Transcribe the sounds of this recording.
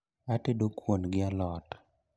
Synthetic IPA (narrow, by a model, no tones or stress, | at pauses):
atedokwonɡɪalɔt